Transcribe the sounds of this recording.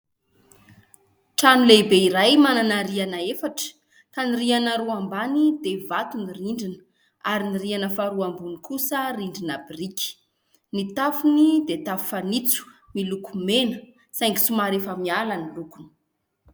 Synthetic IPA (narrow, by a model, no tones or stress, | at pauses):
ʈ͡ʂanilebeiɾajmananaɾianaefaʈ͡ʂə̥ | k̪anirianaɾuambanid̪evat̪uniriɳɖ͡ʐinə̥ | aɾinirianəfaɾuambunikusəriɳɖ͡ʐinabirikʲi̥ | nit̪afunid̪et̪afu̥fanit͡su̥milukumenə | sajŋɡi̥sumaɾefəmialanilukuni̥